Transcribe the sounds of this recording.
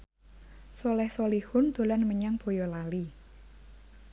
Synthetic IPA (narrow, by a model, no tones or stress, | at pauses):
sɔlɛhsolihʊnd̪̥o̤lanməɲaŋb̥o̤jɔlali